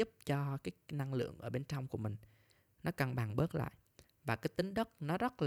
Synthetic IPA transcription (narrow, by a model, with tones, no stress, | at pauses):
u˦˥p̚t͡ɕɔ˧kaː˨˦jna˧ŋlɨ̰˧˨əŋʔəː˧˩ɓe˧nt͡ɕɔ˧wŋ͡mku˧˩əmï˨˩ŋ̟ | nɔ˨˦kə˨˩nɓaː˨˩ŋɓəː˦˥t̚la̰ː˧˨jʔ | vaː˨˩kaː˨˦jt̪ï˨˦ŋ̟ɗə˦˥t̚nɔ˨˦zə˦˥t̚l